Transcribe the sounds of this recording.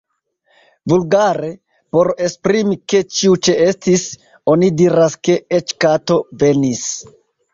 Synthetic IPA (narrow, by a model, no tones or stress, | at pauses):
vulɡaɾe̞ | po̞ɾe̞spɾimike̞t͡ʃiut͡ʃe̞estis | o̞nidiɾaske̞et͡ʃkato̞ve̞nis